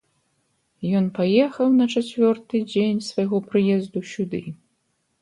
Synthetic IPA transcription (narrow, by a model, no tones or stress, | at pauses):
jɔnpajɛxɐwnɐt͡ʂat͡sʲvʲɔrt̪ɨd͡zʲenʲsvajɣɔpɾɨjɛzd̪usʲud̪ɨ